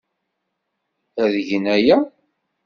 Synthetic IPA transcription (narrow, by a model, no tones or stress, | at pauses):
æðəʝənæjæ